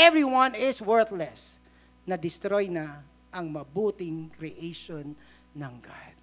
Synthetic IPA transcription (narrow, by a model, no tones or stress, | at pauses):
ʔɛvɹiwɐ̃nɪswɛɹθlɛs | nɐd̪ɪst̪ɾojnɐ | ʔɐŋmɐbuːt̪ɪŋkɾɪʔejʃonː | ɐŋɡa̰d̪̥̚